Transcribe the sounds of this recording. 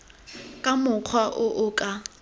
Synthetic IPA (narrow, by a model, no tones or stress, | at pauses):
kʼamʊq͡χʰwaʔʊʔʊːkʼa